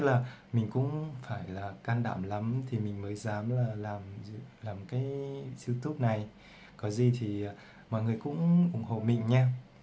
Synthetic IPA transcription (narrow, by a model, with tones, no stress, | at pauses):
k̚laː˨˩mï˨˩ŋ̟kʊ̰˧˥ŋ͡mfaː˧˩jlaː˨˩kaː˧nɗa̰ː˧˩mla˨˦mt̪ʰi˨˩mï˨˩ŋ̟məː˨˦jzaː˨˦mlaː˨˩laː˨˩mz̰laː˨˩mkaː˨˦jsi˧wt̪u˦˥p̚na˨˩j | kɔ˨˦zi˨˩t̪ʰi˨˩˨ | mɔ̰˧˨jŋɨ˨˩əjkʊ̰˧˥ŋ͡mʔʊ˧˩ŋ͡mho̰˧˨mï˧˨ŋ̟ɲaː˧